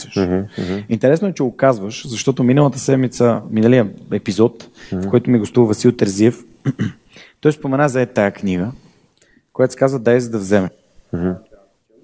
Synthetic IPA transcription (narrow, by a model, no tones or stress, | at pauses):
əʃ | int̪ɛɾɛsnoɛt͡ʃɛɡʊkazvəʃzɐʃt̪ɔt̪ominəlˠət̪əsɛd̪mit̪səminəlijəɛpizɔt̪fkʰɔjt̪ʊmiɡost̪uvɐsilˠt̪ɛɾziɛf | t̪ɔjspomɛnazaɛt̪ajəknʲiɡə | kojat̪skazvəd̪aɛzəd̪ɐvzɛmɛ